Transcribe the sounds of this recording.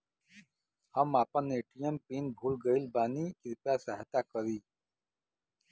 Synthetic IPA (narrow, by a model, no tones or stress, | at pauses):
həmaːpənːeːʈijəmpiːnbʱuːlɡəilbaːnikɪɾpjasəɦət̪akəɾiː